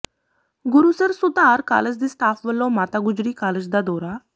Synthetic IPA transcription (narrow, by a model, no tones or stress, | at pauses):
ɡʊɾuːsəɾsʊd̪aːɾka̰ːləd͡ʒd̪iːst̪ʰaːpʰʋəlːõːmaːt̪aːɡʊd͡ʒɾiːkaːləd͡ʒd̪aːd̪ɔːɾaː